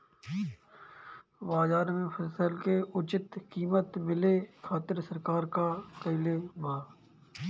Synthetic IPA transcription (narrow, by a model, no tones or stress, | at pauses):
baːzaːɾmẽfʰəsəlkeʊt͡ʃɪt̪kiːmət̪bɪlekʰaːt̪ɪɾsəɾkaːɾkaːk̪əɪlebaː